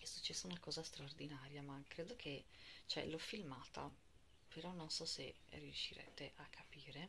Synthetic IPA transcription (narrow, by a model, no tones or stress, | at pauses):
ɛsːut͡ʃːɛsːounakɔːzast̪ɾaord̪inaːɾjamakːɾeːd̪okʰet͡ʃɛ̰lɔfːilmaːt̪a | peɾɔnːonsɔsḛ | riuʃːiɾɛ̰t̪eʔakʰːapiːɾe